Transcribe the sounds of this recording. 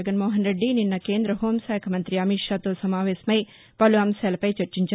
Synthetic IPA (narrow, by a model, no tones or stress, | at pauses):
ɐɡɐnmoːɦɐnɾeɖːininːɐkeːnd̪ɾɐɦoːmsaːkʰɐmɐnt̪ɾiɐmiʂaːt̪oːsɐmaːʋeːsɐmɐj | pɐluɐmsalɐpɐjt͡ʃɐɾt͡ʃiɲt͡ʃɐ